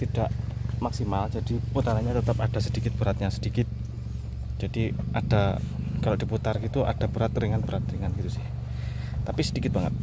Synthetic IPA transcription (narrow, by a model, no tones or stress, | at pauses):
t̪id̥aʔmaksimald͡ʒadiput̪aɾaɲat̪ət̪ap̚ad̥asədikɪt̪̚b̥əɾat̪̚ɲasə̥dikɪt̪̚ | d͡ʒadiʔad̥akalodiput̪arɡit̪uʔa̰d̥abəɾat̪riŋanbəɾat̪ɾiŋanɡit̪usɪh | t̪apisədikɪt̪̚baŋə̰t̪̚